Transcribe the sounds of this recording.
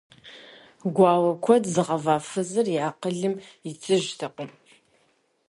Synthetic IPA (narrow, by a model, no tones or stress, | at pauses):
ɡʷɑːwɐkʷʰɔdzɨʁɐvaːfɨzɨrjaːqəɮɨmɪt͡sʼɨʒtʰɐqʷʼʊm